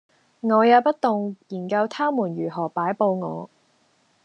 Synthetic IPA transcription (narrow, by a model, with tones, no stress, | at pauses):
ŋɔː˨˧jaː˨˧wpɐ˥t̚t̪ʊ˨ŋjiː˨˩nkɐ˧wt̪ʰaː˥muː˨˩njyː˨˩ɦɔː˨˩paː˨˥jpo˧wŋɔː˨˧